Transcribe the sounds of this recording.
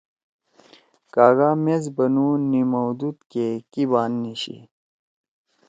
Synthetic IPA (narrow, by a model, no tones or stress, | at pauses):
kaːɣaːmezbɐnunimɐwd̪ut̪kekibaːnːiɕḭ